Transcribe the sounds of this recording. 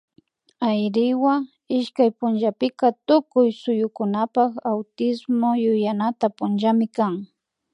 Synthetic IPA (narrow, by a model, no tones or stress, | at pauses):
ajɾɪwa | ɪʃkajpʊnʒapɪkat̪ʊkʊjsʊjʊkʊnapakawt̪ɪsmojʊjanat̪apʊnʒamɪkaŋ